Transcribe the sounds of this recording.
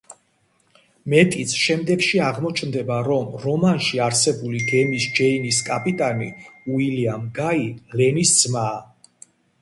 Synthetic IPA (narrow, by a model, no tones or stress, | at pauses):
mɛt̪ʼit̪sʰʃɛmd̪ɛɡʃiaʁmɔt͡ʃʰnd̪ɛbaɾɔmɾɔmanʃiaɾsɛbuliɡɛmisd͡ʒɛiniskʼapʼit̪ʼanḭuiliamɡailɛnisd̪z̥maː